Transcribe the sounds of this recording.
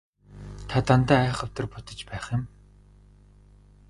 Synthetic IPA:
t̪ʰat̪ant̪æːæːχə̆w̥t̪ə̆rpʊt̪ə̆t͡ɕpæːχjɪ̆m

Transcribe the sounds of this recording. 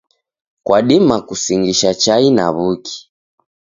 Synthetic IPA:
kwaɗimakusiŋɡiʃat͡ʃaina̰βuki̥

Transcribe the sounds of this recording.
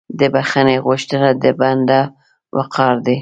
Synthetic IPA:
d̪əbaxaneɣʊʃt̪ənad̪əband̪a | wa̰qʰɑɾd̪i

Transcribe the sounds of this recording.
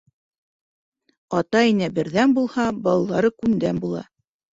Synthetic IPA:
ɑt̪ɑinæbɘ̆ɾðænbulˠhɑbɑlˠːɑɾɤkʉnd̪ænbulˠɑ̰

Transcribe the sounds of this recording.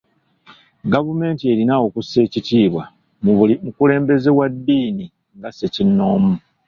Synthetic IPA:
ɡavume̞ːntie̞ɾinaokuse̞ːcitiːβwa | mukule̞ːmbe̞ze̞wadːiːni | ŋɡasecinːo̞ːmu

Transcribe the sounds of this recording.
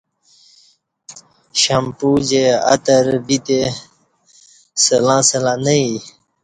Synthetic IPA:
ɕampud͡ʑea̰t̪əɾbit̪e | səlãːsəlãːnəi

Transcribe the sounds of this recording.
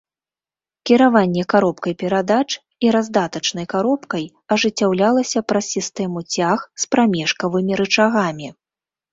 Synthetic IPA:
kʲiɾavanʲːɛkaɾɔpkɐjpʲɛɾad̪at͡ʂ | iɾazd̪at̪ɐt͡ʂn̪ɐjkaɾɔpkɐj | ɐʐɨt͡sʲːawlʲalˠɐsʲɐpɾɐsʲist̪ɛmut͡sʲaxspɾamʲɛʂkɐvɨmʲiɾɨt͡ʂaɣamʲi

